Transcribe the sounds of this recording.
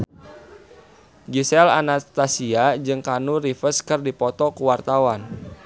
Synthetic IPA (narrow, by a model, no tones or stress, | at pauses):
ɡisɛla̰nast̪asiad͡ʒɨŋkanurifəskɨrdipɔt̪ɔkuwart̪awan